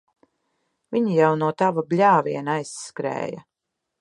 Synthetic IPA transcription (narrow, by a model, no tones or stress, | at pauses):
vʲiɲijawnuɔt̪avablʲaːvʲiɛnajsːkɾɛ̰ːjɐ̰